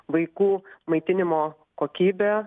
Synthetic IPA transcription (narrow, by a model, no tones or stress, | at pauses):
ʋɐɪkuːmɐɪt̪ʲɪnʲɪmoː | koːkʲiːbʲeː